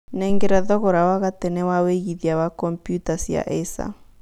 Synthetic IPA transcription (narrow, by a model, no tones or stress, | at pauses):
nɛŋɡɛɾaðɔɣɔɾawaɣatɛnɛwaweɣiðiawakɔmpjutasja̰ʔɛsa̰